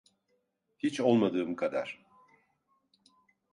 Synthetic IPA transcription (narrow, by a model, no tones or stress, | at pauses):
hit͡ʃolˠmad̪ɯːmkʰad̪a̰ɾ̥